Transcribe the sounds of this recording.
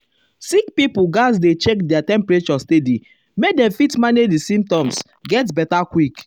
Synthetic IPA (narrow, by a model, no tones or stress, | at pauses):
sikpipuɡasdet͡ʃek̚dɛatɛ̃mpɹet͡ʃɔstedi | mek̚dɛ̃mfitmanedisĩmp̚tɔ̃ms | ɡɛtbɛtakwik